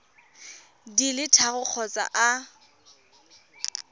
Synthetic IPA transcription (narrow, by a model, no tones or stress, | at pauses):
dilɪtʰaɣʊk͡xʰɔt͡sʼa̰ʔa